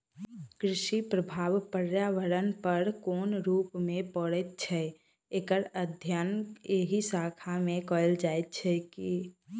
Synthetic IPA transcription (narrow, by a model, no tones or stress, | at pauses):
kɾɪʃipɾəbʱaːʋpəɾjaːʋəɾənpəɾkoːnɾuːpmẽpəɽet̪̚t͡ʃʰɛ | ekəɾəd̪ʱjaneɦisaːkʰamẽkɔld͡ʒaːet̪̚t͡ʃʰɛki